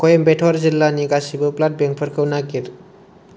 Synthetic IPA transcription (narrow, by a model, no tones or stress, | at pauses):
kojembeʈʰaɾd͡zilːanikasibəplaʈ̚beŋk̚pʰəɾkʰəwnakiɾ